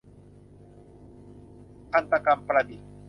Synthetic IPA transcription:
kant̪akampəɾabi

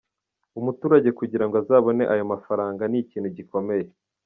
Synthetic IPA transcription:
umutuːɾaɟe̞kuɟiɾaŋɡazaːβo̞ne̞ʔajo̞mafaɾaːŋɡaniciːnhuɟiko̞me̞je

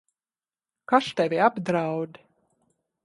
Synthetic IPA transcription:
kast̪ɛvʲiabd̪ɾawd̪

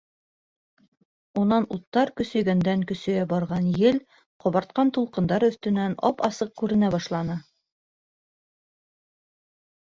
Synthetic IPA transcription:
unɑnut̪ːɑɾkɵ̆sɵ̆jɡænd̪æŋkɵ̆sɵ̆jæbɑɾʁɑnjɘl | qɒβɑɾt̪̚qɑnt̪ulˠqɤ̆nd̪ɑɾɵ̆θt̪ɵ̆nænɑ̰pɑsɤq̚kʉɾɘ̆næbɑʃlˠɑnɤ

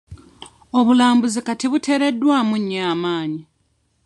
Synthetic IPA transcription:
oβulaːmbuzikatiβutʰe̞ːɾe̞dːwaːmuɲːamaːɲi

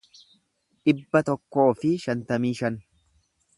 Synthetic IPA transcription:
ᶑɪbːɐt̪ɔkːo̞ːfɪʃɐnt̪ɐmiːʃɐn

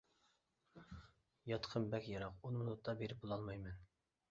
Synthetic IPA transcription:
jɑt̪qʰəmbɛkʲjɑɾɑqunmunut̪d̪ɑbeɾɪp̚bolˠɑlˠmɑjmɛn

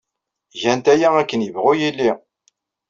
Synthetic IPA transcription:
ʝænt̪æjæækːənjəvʁojilːi

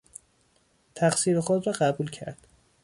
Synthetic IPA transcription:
t̪ʰæxsiːɾexod̪rɒːɢæbuːlcʰæ̰ɾd̪̥

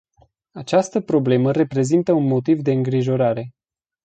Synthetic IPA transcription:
at͡ʃast̪əpɾo̞ble̞məɾe̞pɾe̞zint̪əunmo̞t̪ivd̪e̞ɨŋɡɾiʒo̞ɾaɾe̞

